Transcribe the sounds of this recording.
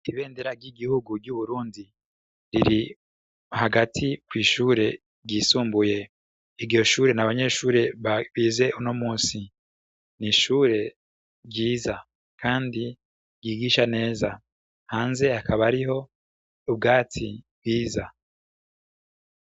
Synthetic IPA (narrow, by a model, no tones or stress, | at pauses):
iβe̞ːndeɾaɾɟiɡihuɡuɾɟuβuɾuːndi | ɾiɾi | haɡatʰikwiːʃuːɾe̞ | ɟiːsuːmbuje̞ | iɾɟo̞ʃuːɾe̞naβaɲe̞ːʃuːɾe̞βaβiːze̞ʔuno̞muːsi | niʃuːɾe̞ | ɾɟiːza | kʰaːndi | ɟiːɡiʃane̞ːza | haːnze̞akʰaβaɾiɦo̞ | ub̚ɡaːtʰibwiːza